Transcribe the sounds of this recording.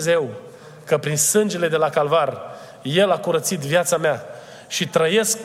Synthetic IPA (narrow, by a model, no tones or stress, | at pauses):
ze̞w | kəpɾinsɨnd͡ʒe̞le̞d̪e̞lakalvar | je̞lakuɾət̪sit̪vjat̪samea | ʃit̪ɾəje̞sk